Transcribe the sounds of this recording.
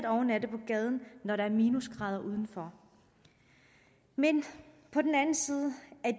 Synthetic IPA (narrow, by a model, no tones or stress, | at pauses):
d̥ɒʊnæd̥əpʰɒ̽ɡ̥ɛːð̞ˠn̩nɒɾ̥ɑ̈æɐmiːnusɡ̥ʁɑ̈ːð̞ˠɐʔuːð̞ˠn̩fɒ | men | pʰɒ̽d̥n̩ænn̩siːð̞ˠəæɐd̥